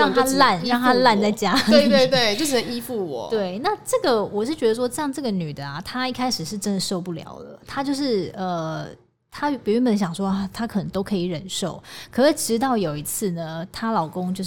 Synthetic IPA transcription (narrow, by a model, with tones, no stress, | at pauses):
ɻɑ˥˧ŋo˥˧˥la˥˨nɻɑ˥˩ŋt̪ʰa˥la˥˧nt͡sa˥˩ɪt͡ɕja˥e˥˧t̪we˥˧ɪt̪we˥˩ɪt͡ɕjʂ̩˥˩ə˧ŋi˥˦fu˥˩wɔ̰˨˩˦t̪we˥˩ɪna˥˧ʈ͡ʂɤ˥˩ɡə˩wɔ˨˩ʂɻ̩˥˩t͡ɕɥɛ˧˥d̪ə˧ʂ̬wɔ˥ʈ͡ʂɤ˥˧jɑ˥˧ŋʈ͡ʂɤ˥˩ɡə˩ny˨˩d̪ə˦a˩t̪ʰa˥i˥˩kʰa˥ɪʂɻ̩˨˩ʂɻ̩˥˩ʈ͡ʂə˧˥nd̪ə˨ʂo˥˧ʊpu˥˩ljɑ̰˨˧˥ʊd̪ə̰˨t̪ʰa˥t͡ɕjo˥˧ʊʂɻ̩˥˩ə˨ | t̪ʰa˥pi˨˩y˥bə˧˦nɕ̬jɑ˨˩ŋʂwɔ˥a˥˩t̪ʰa˥kʰɤ˨˩nə˧˥ŋt̪o˥ʊkʰɤ˧˥i˨˩ɻə˨˩nʂo˥˩ʊkʰɤ˧˥i˨˩ʈ͡ʂɻ̩˧˥t̪̬ɑ˥˩ʊjo˨˩ʊi˧˥t͡s̩ʰ˥˩nə˩t̪ʰa˥lɑ˨˩ʊkʊ˥ŋt͡ɕjo˥˧ʊ˩